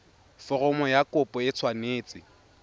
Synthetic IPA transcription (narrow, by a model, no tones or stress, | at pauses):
fɔrɔmɔjakʼʊpʼɔɪt͡sʰwaneːt͡sʼɪ